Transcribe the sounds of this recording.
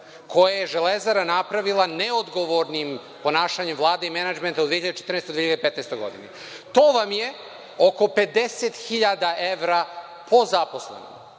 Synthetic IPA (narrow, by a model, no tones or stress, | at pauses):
kʰo̞jajeʒelezaɾanapɾaʋilˠaneod̪ɡo̞ʋoɾnim | po̞naːʃaɲemvlˠaːd̪eimenad͡ʒment̪aud̪ʋieiʎad̪et͡ʃe̥t̪ɾrnest̪od̪eijad̪pet̪nejst̪o̞jɡo̞̰d̪ḭne | t̪o̞ːʋamje | o̞ko̞pe̞d̪eset̪xiʎad̪aʔeʋɾa | pʰo̞zapo̞slˠḛno̰o